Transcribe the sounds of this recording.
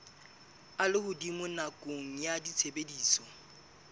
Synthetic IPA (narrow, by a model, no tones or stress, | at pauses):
alɪhʊdimʊnakʼoŋ̩jadit͡sʰebediːsɔ